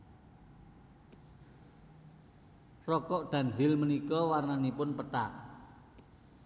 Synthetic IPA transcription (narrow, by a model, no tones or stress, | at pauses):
rɔkɔʔd̪̥ä̤nɦɪlmənikɔwarnanipʊnpət̪a̰ʔ